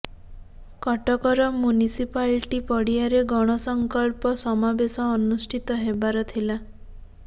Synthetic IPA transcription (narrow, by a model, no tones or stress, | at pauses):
kɔʈɔkɔɾɔmjunisipalʈipɔɽijaɾeɡɔɽ̃ɔsɔŋkɔlpɔsɔmabesɔːnusʈʰit̪ɔɦebaɾɔt̪ʰila